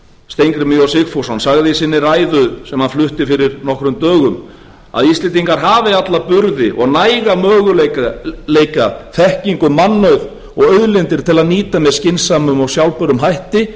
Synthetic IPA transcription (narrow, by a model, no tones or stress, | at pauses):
st̪ejŋkɾɪmiɔsɪxfowsɔnsaɣðɪsɪnːɪraːjðʏsɛmhaðflʏht̪ɪfɪɾɪɾnɔhkɾʏmt̪œːɣʏm | a̰ðist̪lɪːt̪iŋkaɾ̥ɦaːvɪat̪lapʏɾðɪʔɔɣnajɣamœːɣʏlleːjkaðθɛhciŋkʏmːanːœɥð | ɔɣœɥðlɪnt̪ɪɾ̥t̪ʰɪlaðniːt̪amɛðscɪnsaːmʏmɔɣsjawlpœɾʏmɦajht̪ɪ